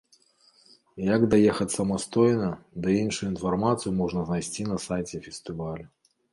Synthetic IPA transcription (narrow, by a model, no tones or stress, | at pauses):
jɐɡd̪ajɛxɐt͡sʲsɐmast̪ɔjnɐd̪ɨinʂujuinfarmat̪sɨjumɔʐnɐznajsʲt͡sʲinɐsajt͡sʲɛfʲɛst̪ɨvalʲu